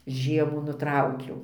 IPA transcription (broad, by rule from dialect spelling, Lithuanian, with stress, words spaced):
ˈʒʲiɛmuː nʊˈtrɐʊkʲɛʊ